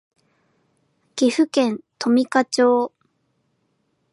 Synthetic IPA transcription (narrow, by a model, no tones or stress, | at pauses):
ɡ̥ʲiɸɯ̟kẽ̞nt̪o̞mʲikat͡ɕoː